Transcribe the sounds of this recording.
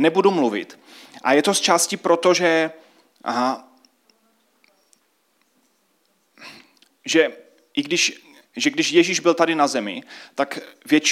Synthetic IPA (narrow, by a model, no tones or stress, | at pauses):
nɛbudumluvɪ̰t̪ʔa̰jɛt̪ost͡ʃaːscɪpɾo̞t̪oʒɛ | ʒɛ | ʔɪɡdɪʃ | ʒɛɡdɪʃjɛʒiʒbɪlt̪adɪnazɛmɪ̰t̪akvjɛt͡ʃ